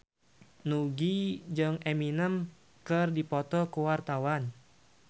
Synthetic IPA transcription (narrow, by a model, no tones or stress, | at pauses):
nuɡid͡ʒɨŋeminəm | kɨrdipɔt̪ɔkuwart̪awan